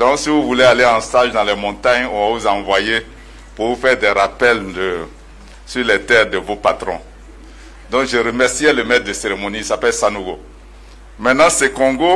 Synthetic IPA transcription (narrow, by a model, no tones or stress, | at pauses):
d̪ɔ̃ksivuvulɛaleɑ̃st̪aʒd̪ãlɛmɔ̃t̪aɲɔ̃vavuzãvwaje | puvufɛʁd̪ɛɾapɛld̪ə | syʁlɛt̪ɛːʁd̪əvopat̪ɾɔ̃ | d̪ɔ̃kʒəɾəmɛʁsiɛləmɛt̪̚d̪əseʁemoniisapɛlsanuɡo | mɛ̃tnãsekɔ̃ɡo